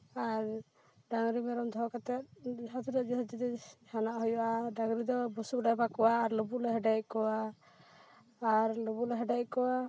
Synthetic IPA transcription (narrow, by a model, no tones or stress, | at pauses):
aɾ | ɖaŋɾimɛɾɔmd̪ʱɔkat̪ɛt̪̚sat̪ʰiɾɔd͡ʒɛɦɔd͡ʒ̪id̪ɛhanaʔɦɔjɔʔaɖaŋɾid̪ɔbusukɖajbakɔwaːɾlɔbulɔɦɛɖajkɔwa | ɾlobulɔɦɛɖajkɔwa